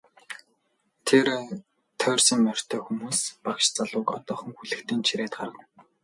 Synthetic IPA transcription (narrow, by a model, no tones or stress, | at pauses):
t̪ʰer | t̪ʰœːrsĭŋmœr̥ʲt̪ʰœːxumuːspakʃt͡saɮʊːkɔ̰t̪ɔːχɞ̆ŋxuɮɘ̆kt̪ʰiːnt͡ɕʰiɾeːt̪̚ɢa̰rʁə̆n